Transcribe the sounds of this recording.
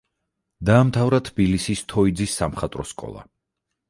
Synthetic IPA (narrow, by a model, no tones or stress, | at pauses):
d̪aːmt̪ʰavɾat̪ʰbilisist̪ʰɔid̪zisːamχat̪ʼɾɔskʼɔ̰lˠa̰